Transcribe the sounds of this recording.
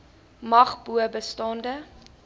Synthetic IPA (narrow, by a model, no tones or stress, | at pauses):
mɐχbuəbəstɑndə